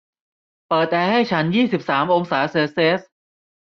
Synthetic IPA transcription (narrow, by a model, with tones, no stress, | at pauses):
pɤː˨˩t̪̚ʔɛː˧ha˥˩jt͡ɕʰa˦˥njiː˥˩si˨˩p̚saː˩˦mʔo˧ŋsaː˩˦˥seː˧seː˦˥s